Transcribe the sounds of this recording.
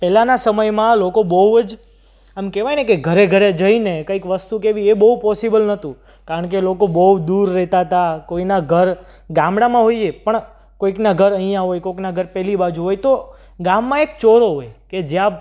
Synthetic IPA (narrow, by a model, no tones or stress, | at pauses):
pɛlanasəməjmãlokobəɦud͡ʒ | emkɛʋajnekeɡʱəɾeɡʱəɾed͡ʒəinekəikʋəst̪ukeʋiebəɦupɔsibəlnət̪ũ | kaɾəɳk̬elokobəɦud̪uɾːɛɦt̪aət̪akoinaɡʱəɾ | ɡãmɽamãɦoiepəɳ | koiknaɡʱəɾəɦijãɦojkoknaɡʱəɾpɛlibad͡ʒũɦojt̪o | ɡamːãek̚t͡ʃoɾoɦojked͡ʒjã